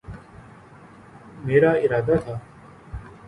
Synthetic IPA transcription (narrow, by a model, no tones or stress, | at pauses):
meːɾaːɪɾaːd̪aːt̪ʰaː